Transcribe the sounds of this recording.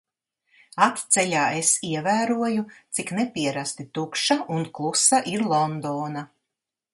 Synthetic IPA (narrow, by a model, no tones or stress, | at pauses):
at̪t̪sɛʎʲaːesiɛvæːɾuɔjut̪siknɛpiɛɾast̪it̪ukʃaʔunklˠusaʔiɾlˠɔnd̪ɔːna